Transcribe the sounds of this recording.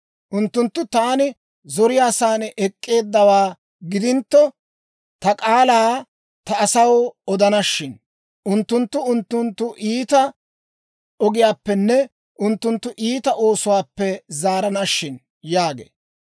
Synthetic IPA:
ʔʊnt̪ːʊnt̪ːʊt̪aːnɪ | zɔɾɪjaːsaːnʔɛkʼːe̞ːd̪ːɐwaː | ɡɪd̪ɪnt̪ːɔ | t̪ɐkʼaːlaː | t̪ɐɐsɐwɔd̪ɐnɐʃːɪn | ʔʊnt̪ːʊnt̪ːʊʊnt̪ːʊnt̪ːʊʔiːt̪ɐ | ɔɡɪjaːpːɛnːɛ | ʔʊnt̪ːʊnt̪ːʊʔiːt̪ɐʔo̞ːsʊwaːpːɛzaːɾɐnɐʃːɪn | jaːɡḛː

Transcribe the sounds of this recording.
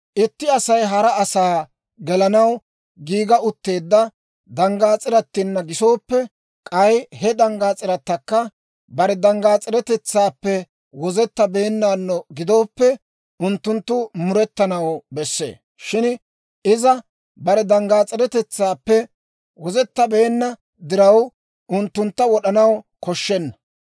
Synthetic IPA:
ʔɪt̪ːɪɐsɐjɦɐɾɐɐsaː | ɡɛlɐnɐw | ɡiːɡɐʔʊt̪ːe̞ːd̪ːɐ | d̪ɐŋɡaːt͡sʼɪɾɐt̪ːɪnːɐɡɪso̞ːpːɛ | kʼɐjhɛd̪ɐŋɡaːt͡sʼɪɾɐt̪ːɐkːɐ | bɐɾɛd̪ɐŋɡaːt͡sʼɪɾɛt̪ɛt͡sːaːpːɛ | wɔzɛt̪ːɐbe̞ːnːaːnːɔɡɪd̪o̞ːpːɛ | ʊnt̪ːʊnt̪ːʊmʊɾɛt̪ːɐnɐwbɛsːḛː | ʃɪn | ɪzɐ | bɐɾɛd̪ɐŋɡaːt͡sʼɪɾɛt̪ɛt͡sːaːpːɛ | wɔzɛt̪ːɐbe̞ːnːɐ | d̪ɪɾɐw | ʔʊnt̪ːʊnt̪ːɐwɔɗɐnɐw | kɔʃːɛnːɐ̥

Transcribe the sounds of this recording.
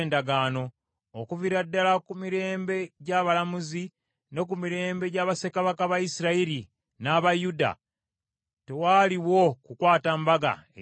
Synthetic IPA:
ndaɡaːno̞ː | kuviɾadːalakumiɾe̞ːmbe̞ɟaβalamuzi | ne̞k̬umiɾe̞ːmbe̞ɟaːβase̞kaβakaβajisiɾaiɾi | naβajuda̰ | te̞waːliwo̞kukwaːtambaɡa̰e

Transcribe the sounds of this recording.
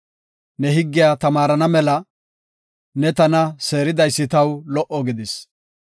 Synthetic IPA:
nɛɦɪɡːɪjaːt̪ɐmaːɾɐnɐmɛlɐ | nɛt̪ɐnɐse̞ːɾɪd̪ɐjsːɪt̪ɐwlɔʔɔɡɪd̪ɪs

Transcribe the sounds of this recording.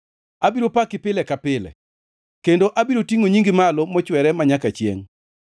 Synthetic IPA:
abiɾopakɪpɪlɛkapɪlɛ̰ | kendoʔabiɾotiŋoɲiŋɡɪmalɔmɔt͡ʃwɛɾɛmaɲakat͡ʃjḛŋ

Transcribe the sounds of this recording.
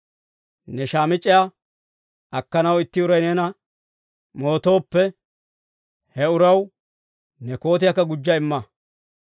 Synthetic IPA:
nɛʃaːmɪt͡ʃʼːɪja | ɐkːɐnɐwɪt̪ːɪʊɾɐjnɛnɐ | mo̞ːt̪o̞ːpːɛ | hɛʊɾɐw | nɛko̞ːt̪̬ɪjɐkːɐɡʊd͡ʒːɐɪmːɐ

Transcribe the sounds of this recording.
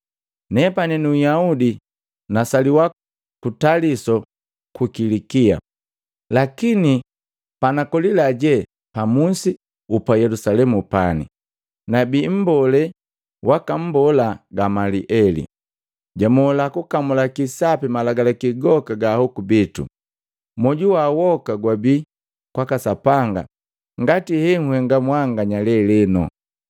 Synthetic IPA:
nɛpanɛnuujaudi | nasaliwa | kutalisɔ | kukilikia̰ | lakini | panakɔlilaɟɛ | pamusi | upajɛlusalɛmupanḭ | nabim̩bɔlɛ | wakam̩bɔlaɡamaliʔɛlḭ | ɟamɔlakukamulakisapimalaɡalakiɡɔkaɡahɔkubitṵ | mɔɟuwawɔkaɡwabi | kwakasapaŋɡa̰ | ŋɡatihɛŋuhɛŋɡamwaŋɡaɲalɛlɛnɔ̰

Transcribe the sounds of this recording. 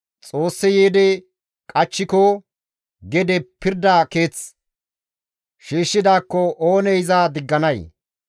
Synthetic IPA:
t͡sʼo̞ːsːɛjeːd̪ɛ | kʼɐt͡ʃːɪkɔ | ɡɛd̪ɛpɪɾd̪aːke̞ːt͡s | ʃiːʃːɪd̪aːkːɔʔoːnɛjzaːd̪ɪɡːɐnɐj

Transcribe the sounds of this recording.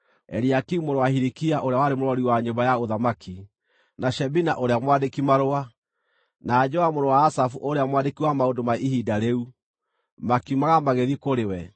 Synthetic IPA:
ɛ̰ɾiakiumoɾowahiɾikiaʔoɾeawaɾemoɾwɔɾiwaɲombajaoðamakʰi | naʃɛbinaʔoɾeamwadekimaɾoa | naːd͡ʒɔamoɾɔwaːsafuʔoɾeamwadekiwamaondomaihidaɾeu | makiumaɣamaɣeðikoɾewɛ

